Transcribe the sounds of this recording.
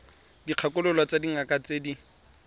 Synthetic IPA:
diq͡χʰakʼʊlʊlwat͡sadiŋakʼat͡sedi

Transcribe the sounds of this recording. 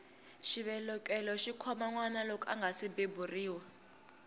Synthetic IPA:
ʃiβɛlɔkʼɛlɔʃikʰɔmaŋwanalɔkʼa̰ŋɡʱasibeburiːwa

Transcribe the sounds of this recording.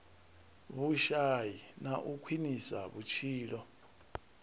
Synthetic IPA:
βuʃajinaʔukʰwinisa̰βut͡ʃʰiːlɔ

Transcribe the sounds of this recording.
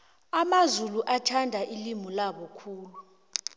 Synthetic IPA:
amazuluʔatʰandʱaʔilimulaɓɔkʰuːlu

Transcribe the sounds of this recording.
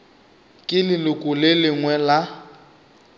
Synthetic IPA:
kʼɪlɪlʊkʼʊlɪlɪŋwɛla

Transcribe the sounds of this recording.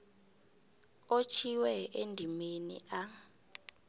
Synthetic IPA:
ot͡ʃʰiwɛendʱimenḭʔa

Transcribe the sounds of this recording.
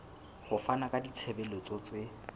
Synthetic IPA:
hʊfanakʼadit͡sʰɛbɛlɔt͡sɔt͡sʼeɪ

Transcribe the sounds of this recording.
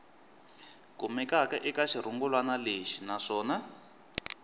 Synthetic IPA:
kumɛkakɛʔikaʃiɾuŋɡulwanaleʃinaʂɔːna

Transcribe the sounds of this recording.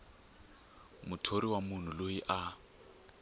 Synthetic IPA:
mʊtʰoɾiwamun̤ulojiʔa

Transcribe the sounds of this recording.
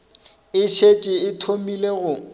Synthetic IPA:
ɪʃet͡ʃʼɪɪtʰomileɣʊ

